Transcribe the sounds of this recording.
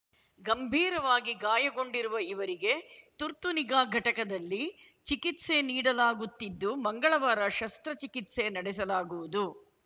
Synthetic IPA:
ɡɐmbʱiːɾɐʋaːɡiɡaːjɐɡo̞ɳɖiɾuʋɐiʋɐɾiɡe̞t̪uɾt̪uniɡaːɡʱɐʈɐkɐd̪ɐlːi | t͡ʃikit̪se̞niːɽɐlaːɡut̪ːid̪ːumɐŋɡɐɭɐʋaːɾɐʃɐst̪ɾɐt͡ʃikit̪se̞nɐɽɛsɐlaːɡuʋud̪u

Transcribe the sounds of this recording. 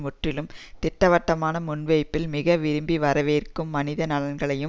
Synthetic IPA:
mʊʈrɪlɯmt̪ɪʈːɐʋɐʈːɐmaːnɐmʊɳʋɐɪpːɪlmɪɣɐʋɪɾɯmbiʋɐɾɐʋeːrkɯmːɐnɪðɐnɐlɐnɡɐɭɐjɯ

